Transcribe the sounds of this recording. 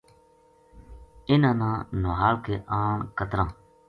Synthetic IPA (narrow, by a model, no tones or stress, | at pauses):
ɪnãːnãːnʊɦaːlkeːʔaːɳkət̪ɾãː